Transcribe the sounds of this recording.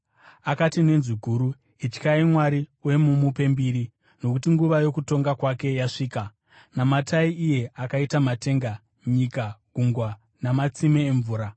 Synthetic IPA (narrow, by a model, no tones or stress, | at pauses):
akatine̞nziɡʱuːɾu | it͡ʃkaimwaɾiuwe̞mumupe̞mbiːɾi | no̞kutiŋɡuʋajo̞kuto̞ŋɡakwake̞jaʂiːka | namatʰaiʔije̞akaitamate̞ŋɡa | ɲikaɡ̥ʱuŋɡwa | namat͡simeːɱvuːɾa